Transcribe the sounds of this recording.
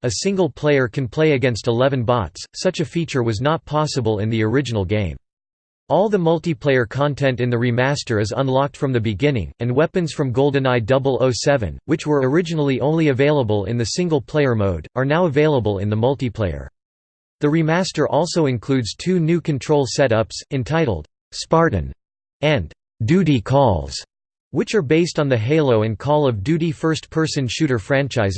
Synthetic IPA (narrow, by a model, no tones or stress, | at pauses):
ɨsɪ̃ŋɡl̩ˠpʰl̥eɪə˞kʰɨ̃npʰl̥eɪɨɡɛ̃nstəlɛvɨ̃nbɑ̰tssʌt͡ʃɨfit͡ʃə˞wʌznət̚pʰɑsəbəlˠɪ̰̃nðiə˞ɪd͡ʒɨnl̩ˠɡẽɪ̃m | ʔɔlˠðəmʌlˠtipʰl̥eɪə˞kʰɑ̃ntʰɛ̃ntɨ̃nðɨɹimæstə˞ɨzə̰̃nlɑk̚tfɹʌ̃mðɨbɨɡɪ̃nɪ̰̃ŋɨ̃nwɛpɨ̃nz̥fɹʌ̃mɡoʊlˠdɨ̃naɪdʌbl̩ˠoʊsɛvɨ̰̃nwɨt͡ʃwə˞ə˞ɪd͡ʒɨnl̩ˠiʔõʊ̃nliɨveɪlˠəbəl̩ˠɪ̰̃nðɨsɪ̃ŋɡl̩ˠpʰl̥eɪə˞moʊɾʔə˞naʊəveɪlˠəbəlˠɪ̰̃nðəmʌlˠtipʰl̥eɪə̰˞ | ðɨɹimæstə˞ʔɔlˠsoʊɨ̃nkʰl̥ʉdz̥tʰʉnʉkʰɨ̃n̩tʰɹ̥oʊlˠsɛɾʌpsɨ̃ntʰaɪɾl̩ˠd̥ | spɑɹʔn̩ | ɨ̃n | dʉɾikʰɔlˠz̥ | wɨt͡ʃə˞beɪstn̩ðɨɦeɪlˠoʊɨ̃nkʰɔlˠʌvdʉɾifɜ˞stpʰɜ˞sɨ̃nʃʉɾə˞fɹæ̃nt͡ʃaɪz